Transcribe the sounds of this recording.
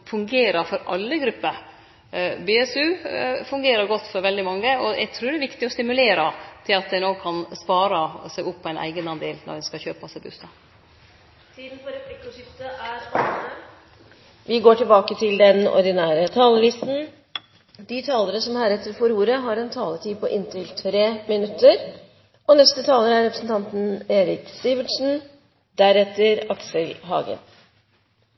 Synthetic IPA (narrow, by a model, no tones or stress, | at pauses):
fʉŋɡeːɾəɾfɔɾɑ̰lːəɡɾʉpːəɾ | beɛsʉːfʉŋɡeːɾəɾɡɔt̪ːfɔɾʋɛld̪ɪmɑŋːəɔæ̰ɪt̪ʰɾʉːd̪ɛʋɪkt̪ɪɔst̪ɪmʉleːɾɑt̪ʰɪlɑt̪̚d̪ɛɪnoːkʰɑnspɑːɾəsæɪɡʊpːɔæɪnʔæ̰ɪɡənɑnd̪eːlnɔ̰ɾhɛnskɑçøːpɑsɛɪbʉ̰st̪ɑ | t̪ʰiːd̪n̩pɔɾɛpʰlɪkːɔʃʏft̪əʔæɾɑəə | ʋʔɪɡoːʈɪlbɑːkət̪ʰɪld̪ɛnɔ̰ɾɖ̪ɪnæːɾət̪ʰɑːləlɪst̪n̩ | d̪ɪt̪ʰɑːləɾəsɔmhæːɾɛt̪ːəɾfɔɾuːɾəɦɑɾɛnt̪ʰɑːlət̪iːpʰɔʔɪnt̪ʰɪlt̪ʰɾeːmɪnʉt̪ʰːəɾ | ʔɔnɛst̪ət̪ʰɑːləɾæɾɛpɾəsn̩t̪ɑnt̪n̩eːɾɪkst̪ɪʋəʈʂn̩ | d̪æɾɛt̪ːəɾɑksəlɦɑ̰ːɡə̰n